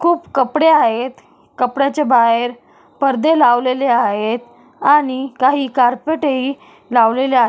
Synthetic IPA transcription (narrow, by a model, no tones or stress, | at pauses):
kʰuːpkəpɽeaɦet̪ | kəpɽjat͡ɕabaɦeɾ | pəɾd̪elaʋleleaɦet̪ | aɽ̃ikaɦiːkaɾpeʈei | laʋlelea